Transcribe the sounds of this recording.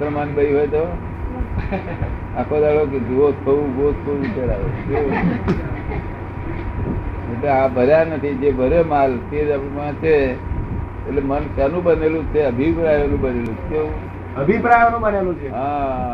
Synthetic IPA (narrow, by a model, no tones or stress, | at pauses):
ɾmanbəiɦojt̪o | akʰod̪aɭoked͡ʒot̪ʰəũɡot̪sʰoʋit͡ʃaɾaʋeke | eʈleabʱəɾjanət̪ʰid͡ʒebʱəɾemalt̪ed͡ʒapimãt͡ʃʰe | eʈlemənkanũbənelũt͡ʃʰeəbʱipɾajonũbənelũt͡ʃʰt̪eũ | əbʱipɾajonũbənelũt͡ʃʰeɦã